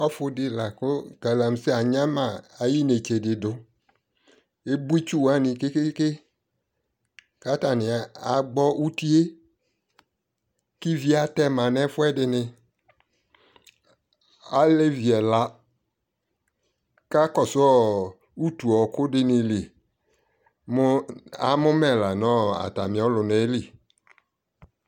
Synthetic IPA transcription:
ɔ˦fʊ˦dɪ˨la˨kʊ˦ɡa˨la˨m˨˦sɪ˦a˨ɲã˦mã˨a˨ji˦ne˨t͡ʃe˨dɪ˨dʊ˨ | e˦bu˦i˦t͡ʃu˦wa˨˦nĩ˨ke˦ke˦ke˦ | ka˦ta˨nɪ˨a˨a˨ɡ͡bɔ˦u˦t̪i˦e˦ | ki˦vi˦a˨tɛ˦mã˨nɛ̃˦fʊ˦ɛ˦dɪ˨nɪ̃˨ | a˦le˦vi˨ɛ˨la˦ | ka˦kɔ˦˨sɔ˦˨ | u˦tu˨ɔ˨kʊ˦dɪ˦nĩ˨li˨ | m˦a̰˨mʊ˦mɛ˦˨la˨nɔ̃˦a̰˨ta˨mĩ˨ɔ˨˦lʊ˨ne˨˦li˨

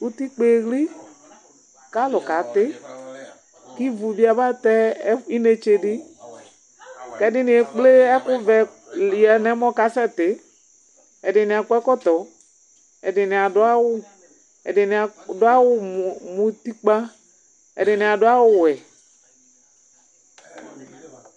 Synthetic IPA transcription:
u˦t̪i˦k͡pe˨ɣli˦ | ka˦lʊ˨ka˨t̪ɪ˦ | ki˦vu˨bi˦a˨ba˦t̪ɛ˦i˦ne˨t͡ʃe˧dɪ˦ | kɛ˦dɪ˦nɪ˨ɛ˨k͡ple˦ɛ˦kʊ˦vɛ˨ | a˨nɛ˦mɔ˦ka˨˦sɛ˦t̪ɪ˨˦ | ɛ˨dɪ˨nɪ̃˨a˨kʊ˦ɛ˦kɔ˦t̪ɔ˨ | ɛ˨dɪ˨nɪ˨a˨dʊ˦a˦wʊ˦ | ɛ̰˨dɪ˨n˨dʊ˦a˦wʊ˦mũ˨t̪i˦k͡pa˦ | ɛ̰˨dɪ˨nɪ̃˨a˨dʊ˦a˦wʊ˦wɛ˨

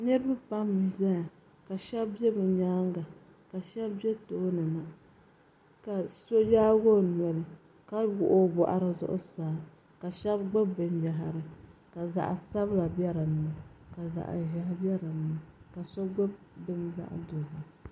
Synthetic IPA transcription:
nɛ˦ɾbɨ˦pa˦mːɨ˨za˦a˨ | ka˨ʃɛ˦bbɛ˦bɨ˨ɲaː˦ŋɡa˨ | ka˨ʃɛ˦bbɛ˦toː˦nɨ˨ma˦ | ka˨so˦jaː˦ɡo˦n˨ɛ˨lɨ˨ | ka˦ɡʊ˨ʔo˦bʊ˨ʔa̰˨ɾɨ˨zʊ̰˦ʔʊ̰˦saː˨˦ | ka˨ʃɛ˦bɡ͡bɨ˦bbɨ˨nja˨ɦa˨ɾɨ˨ka˨za̰˨ʔsa˦bla˨bjɛ˦ɾa˨nɨ˨na˨ka˨za̰˨ʔʒa˨ha˦bɛ˦ɾa˨nɨ˨na˨ka˨so˦ɡ͡ba˦b | bɨ˦nza̰˦ʔdo˨za˨

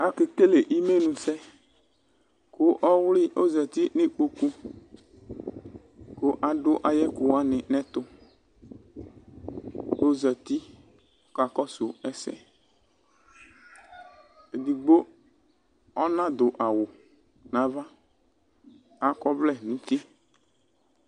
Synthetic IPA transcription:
a˦kɪ˨ke˦le˨ʔi˦me˦nũ˨sɛ˦ | kʊ˦ʔɔ˦wlɪ˦ʔo˦zɛ˨t̪i˦nɪ̃˦k͡po˦ku˦ | ko˦ʔa˨ɖʊ˦ʔa˨jɛ˦kʊ˨wa˦nɪ̃˨nɛ̃˦t̪ʊ˦ | o˦zɛ˨t̪i˦ | ka˨kɔ˦sʊ˨ɛ˦sɛ̰˦ | e˨d̪i˨ɡ͡bo˦ | ɔ˦nã˦d̪ʊ˨ʔa˨wʊ˨ | nã˦va˦ | a˦kɔ˦vlɛ˦˨nũ˦t̪i˦

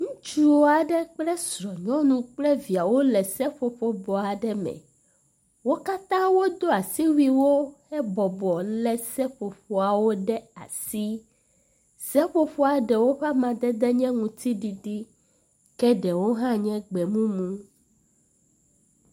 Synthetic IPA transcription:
ŋũ˦t͡ʃu˦wo˦a˨ɖɛ˦k͡plɛ˦sɾɔ˨ɲɔ̃˦nũ˦k͡plɛ˦vi˨a˨wo˦lɛ˨sɛ˦ɸo˨ɸo˨bɔ˨a˨ɖɛ˦mɛ̰̃˨ | wo˦ka˦t̪ã˦wo˦d̪o˦a˨si˦wi˦wo˦ | ɛ˦bɔ˨bɔ˨lɛ˨sɛ˦ɸo˨ɸo˨a˨wo˦ɖɛ˦a̰˨si˦ | sɛ˦ɸo˨ɸo˦a˨ɖɛ˨wo˦ɸa˦mã˨d̪ɛ˦d̪ɛ˦ɲɛ̃˦ŋũ˨t̪i˦ɖi˨ɖi˦ | kɛ˦ɖɛ˨wo˦ɦã˦ɲɛ̃˦ɡ͡bɛ˨mũ˦mũ˦

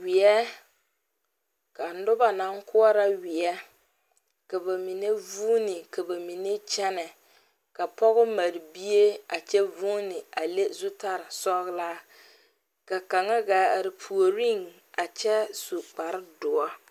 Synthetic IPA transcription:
wɪ˨ɛ˦ | ka˨n˦dʊ˦ba˨na˦ŋkʊ˦ɔ˦ɾa˦wɪ˨ɛ˦ | ka˨ba˨mi˨ne˦vuː˦nɪ˨ka˨ba˨mi˨ne˦t͡ʃɛ˦nɛ˨ | ka˨pɔ˦ɣʊ˦ma˨ɾi˨bi˦e˦a˨t͡ʃɛ˦vuː˦nɪ˨a˨le˦zʊ˦ta˦ɾɪ˨sɔ˦ɣlaː˦ | ka˨ka˨ŋa˦ɡaː˨˦a˨ɾɪ˨pʰu˨o˨ɾi˦ŋ | a˨t͡ʃɛ˦su˨k͡pa˨ɾɪ˦dʊ˨ɔ˦

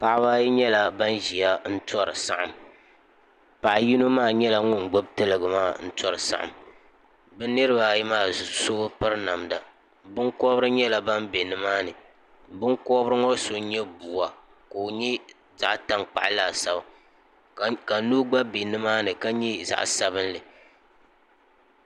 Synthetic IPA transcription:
pa˨ʔba˦ji˦ɲɛ˦la˨ba˦nʒi˨ja˦n̩˦tɔ˦ɾɨ˨sa˦ʔa˨m | pa˨ʔji˦nu˦maː˦˨ɲɛ˦la˦ŋʊ˦nɡ͡bo˦b̚tɨ˦lɨ˨ɡɨ˨maː˦˨n̩˦tɔ˦ɾɨ˨sa̰˦ʔa̰˨m | bɛ˦nɨ˦ɾɨ˦ba˨ji˦maː˦˨so˦pɨ˦ɾna˨mda˨ | bɨ˦ŋkɔ˦bɾɨ˦ɲɛ˦la˨ba˦mbe˨nɨ˦maː˦nɨ˨ | bɨ˦ŋkɔ˦bɾɨ˦ŋɔ˦so˦ɲɛ˦bu˨wa˨ | ko˨ɲɛ˦ | za˨ʔta˦ŋk͡pa̰˨ʔlaː˨sa˦ba˨ | ka˨nuː˦ɡ͡ba˦be˨nɨ˦maː˦nɨ˨ka˦ɲɛ˦za̰˨ʔsa˦βɨ˦n˦lɨ˨

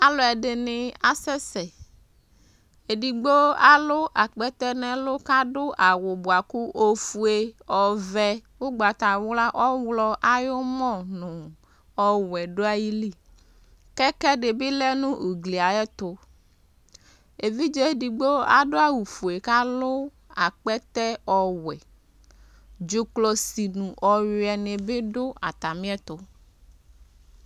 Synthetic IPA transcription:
a˦lo˨ɛ˨ɖe˨nɪ̃˨a˨sɛ˦sɛ˨ | e˨ɖi˨ɡ͡bo˦a˨lo˦ʔa˨k͡pɛ˦t̪ɛ˦nɛ̃˦lo˦ka˦ɖʊ˦ʔa˨wʊ˨bo˨a˨ku˦ʔo˨fu˨e˦ɔ˨vɛ˦wo˦ɡ͡ba˨t̪a˨˦wla˦ʔɔ˦wlɔ˦ʔa˨jo˦mɔ̃˦nʊ̃˨ | ɔ˦wɛ˨ɖo˦a˦ji˦li˦ | kɛ˦kɛ˦ɖe˨be˦lɛ˦nũ˦ʔo˨ɡli˨a˨jɛ˦t̪o˦ | e˨vi˦d͡ʒɛ˦di˨ɡ͡bo˦a˨ɖo˦a˦wu˨fo˨e˨ka˦lo˦ | a˨k͡pɛ˦t̪ɛ˦ɔ˨wɛ˨ | d͡ʒo˨klɔ˨si˨nũ˨ʔɔ˨jo˨ɛ˨nẽ˨be˦ɖo˦a̰˨t̪a˨mĩ˦ɛ˦t̪o˦

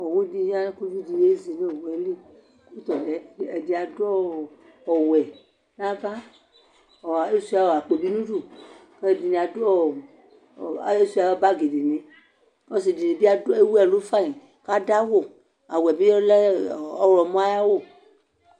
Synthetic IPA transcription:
ɔ˨wu˦di˧˦ɲ˦a˦ku˦vi˦di˨je˦zi˨ne˦˨wɛ˨˦li˦ | ku˦t̪ɔ˨lɛ˨˦˨ɛ˨di˨a˨dɔ˦ | ɔ˨wɛ˨ | n˦ã˦va˦ | ɔ˨e˦su˦a˨wa˨k͡pe˨bi˦nũ˦du˦˨ke˦˨di˨nĩ˨a˨dɔ˦˨ | e˦su˦a˨wba˦ɡe˨de˨nẽ˨ | ɔ˦s̬i˨di˨de˨bi˦a˦do˦e˦wu˦ɛ˦˨lo˦fa˦i˨ | ka˦da˦wo˨ | a˨wɛ˨bi˦lɔ˦lɔ˨mɔ̃˦a˦ja˦wo˦˨

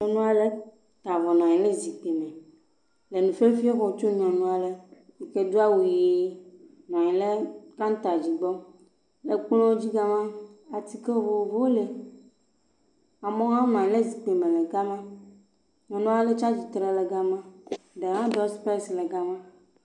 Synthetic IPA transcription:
ɲɔ̃˨nũ˦a˨le˦ | t̪a˨vɔ˨nɔ̃˨ɲɛ̃˨le˦zi˨k͡pe˨mɛ˨ | le˨nũ˨fe˦fi˦o˦vɔ˨˦t͡ʃo˦ɲ˦ɔ̃˨nũ˦a˨le˨ | i˨ke˦d̪o˦a˦wu˨ji˦ | nã˨ɲɛ̃˨le˦kã˦n˦t̪a˨d͡ʑi˨ɡ͡bɔ˦ | le˨k͡plɔ̃˦wo˦d͡ʑi˦ɡa˦mã˦a˨t̪i˦ke˦o˦vo˦˨o˨vo˦o˦le˨ | a˨mɔ̃˦ɦã˦nã˨ɲɛ̃˨le˦zi˨k͡pe˨mẽ˨le˨ɡa˦mã˦ | ɲɔ̃˨nũ˦a˦le˦t͡ʃa˦d͡ʑi˨t̪ɾɛ˨le˨ɡa˦mã˦ɖe˨ɦã˦ɖɔ˦spɛ˦sle˨ɡa˦mã˦

